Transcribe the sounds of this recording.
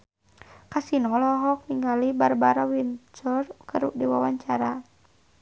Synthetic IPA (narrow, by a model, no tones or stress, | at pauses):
kasinɔlɔɦɔk̚niŋɡalibarbaɾawint͡ʃɔrkəɾudiwawaɲt͡ʃaɾa